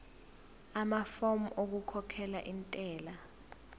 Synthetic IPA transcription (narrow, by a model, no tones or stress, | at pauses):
amafomuʔok̬ukʰɔkʰɛlaʔintʼɛːla